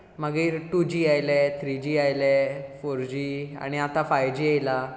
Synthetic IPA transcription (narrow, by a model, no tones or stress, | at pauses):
məɡiɾʈud͡ʑiːajlet̪ʰɾid͡ʑiːajlefoɾd͡ʑiːa̰ɽ̃iat̪afajd͡ʑiajla